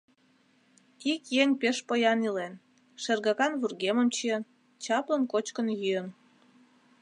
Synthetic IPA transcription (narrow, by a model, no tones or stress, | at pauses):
ikjeŋpeʃpəjɑnilen | ʃerɣɑkɑnβurɣeməmt͡ɕiən | t͡ɕɑplənkot͡ɕkənjyən